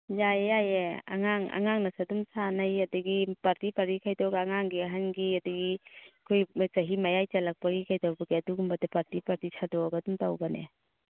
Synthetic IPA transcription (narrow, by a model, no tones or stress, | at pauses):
jajajea̰ŋaŋa̰ŋaŋnɐsadumsanajadɐɡipaɾtipaɾikʰajdɔɡaːŋaŋɡiaɦanɡiadaɡikʰojt͡ʃɐɦimajajt͡ʃalak̚paɡikʰajdawbɐɡiɐduɡumbadapaɾtipaɾtisʰadɔɡadumtawbanḛ